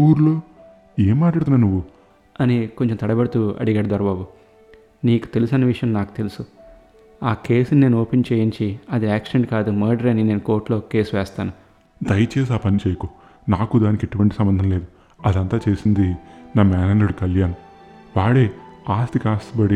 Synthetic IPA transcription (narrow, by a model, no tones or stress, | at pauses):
uːɾlo̞ː | eːmːaːʈlaːɽt̪unaːnuʋːu | ɐniko̞ɲt͡ʃemt̪ɐɽɐbɐɽɐt̪uːɐ̰ɽiɡaːɽɐd̪ʱɐɾɐbaːbu | niːku̥t̪e̞lusɐnɐʋiʂɐjɐmnaːku̥t̪elusu | aːke̞ːsunine̞ːnuoːpent͡ʃe̞ːjiɲt͡ʃiɐd̪iaːksʃeɳʈkaːd̪umɐːɾɖɐɾɐnineːnuko̞ːɾʈlo̞ːke̞ːsʋɛːst̪aːnu | d̪ɐjɐt͡ʃeːs̬aːpɐnit͡ʃeːjɐkoː | naːkud̪aːnikeʈuʋɐɳʈisɐmbɐnd̪ʱɐnleːd̪u | ɐd̪ɐnt̪aːt͡ʃe̞ːsind̪inaːmɛːnaːnuɽikɐljaːnɐ | ʋaːɽeːaːst̪ikaːst̪ibɐɽi